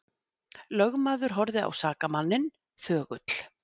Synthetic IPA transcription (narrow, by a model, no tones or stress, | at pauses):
lœɣmaːðʏɾ̥ɦɔɾðɪa̰wsaːkamanːɪn | θœːɣʏt̪l̥